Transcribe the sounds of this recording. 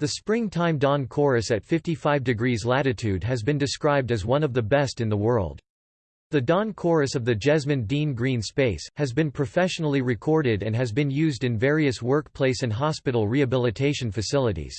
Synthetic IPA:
ðɨspɹɪ̃ŋtʰãɪ̃mdɑ̃nkʰɔɹɨsɨtfɪftifaɪvdɨɡɹizlæɾɨtʰʉd̚ɨzbɨ̃ndɨskɹaɪb̚dɨzwʌ̃nʌvðɨbɛstɨ̃nðəwɜ˞lˠd̥̚ | ðɨdɑ̃nkʰɔɹɨsʌvðɨd͡ʒɛzmɨ̃ndĩnɡɹĩnspeɪshɨzbɨ̃npʰɹ̥ɨfɛʃnl̩ˠiɹɨkʰɔɹɾɪɾɨ̃nɨzbɨ̃njʉzdɨ̃nvɛɹiɨswɜ˞k̚pʰl̥eɪsɨ̃nɦɑspɪɾl̩ˠɹiɨbɪlˠətʰeɪʃɨ̃n̩fɨsɪlˠəɾḭz̥

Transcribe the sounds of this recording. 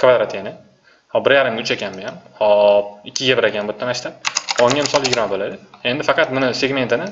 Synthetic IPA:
kʰvad̪ɾat̪ʰanɪ | hɒbɪɾjaɾɪmɡʲʊt͡ʃʰakʲʰanbojʲanmhɒɪkʲʰːɪɡʲabɪɾakʲanbʊt̪ʰːanaʃt̪aɒŋːʲamɪsɒlˠjɪɡʲɪɾmabolad̪ɪe̞nd̪ɪfɑqɑt̪mʊnɪseɡʲme̞nt̪ʰɪnɪ

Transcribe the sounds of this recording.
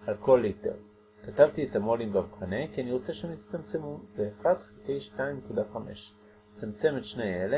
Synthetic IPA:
alko̞lite̞̰ʁ | katavtietamolimbavχane̞kianiʁo̞t͡seʃehemit͡st̪amt͡semuzeːχadχatejʃtaimːekudaχame̞̰ʃ | et͡samt͡se̞metʃnejele

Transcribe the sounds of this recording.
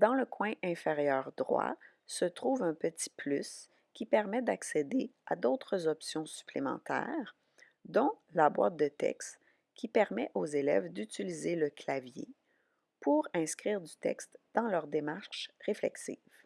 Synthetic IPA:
d̪ɑ̃ləkwɛ̃ʔɛ̃feʁjœːʁd̪ʁwa̰ | sət̪ʁuːvɛ̃pət̪i̥plys | kʲipɛʁmɛd̪aksed̪ea̰d̪oːt̪χəzɔpsjɔ̃sy̥plemɑ̰̃t̪ɛ̰ːʁ | d̪ɔ̃labwa̰ːt̪̚d̪ət̪ɛ̰kst̪ | kʲipɛʁmɛʔozelɛ̰vd̪ytilizeləklavjḛ | pʰuʁɛ̃skʲʁiːʁd̪yt̪ɛ̰kst̪d̪̥ɑ̃lœʁd̪emaʁʃʃʁeflɛ̰ksḭːv̥

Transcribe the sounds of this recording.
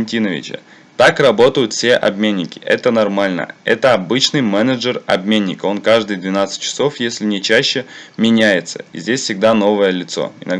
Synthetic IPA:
nʲtʲinəvʲɪ̰t͡ɕə̰ | t̪akrɐbo̞t̪əjʊt̪fʲsʲe̞ʔɐ̰bmʲenʲːɪkʲɪ̥ʔɛt̪ənɐrmalʲnə̰ɛt̪əɐbɨt͡ɕnɨjmɛnəʐərɐ̰bmʲenʲːɪko̞nkaʐd̪ɨjd̪vʲɪnat̪sɨ̥t̚ʲt͡ɕːɪ̥so̞fjesʲlʲɪnʲɪt͡ɕæɕːɪmʲɪnʲæjɪt̪sə̥̰ḭzʲdʲesʲfsʲɪɡ̚d̪ano̞vəjəlʲɪt̪so̞̰ɪ̰nɐ

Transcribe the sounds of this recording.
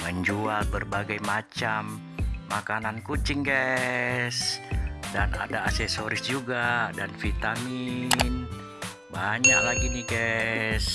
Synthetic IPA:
məɲd͡ʒualbərbaɡajmat͡ʃamː | akanankut͡ʃɪŋɡa | sdana̰daːsɛsoɾɪsd͡ʒuɡadanfit̪amin | baɲaklaɡiniɡas

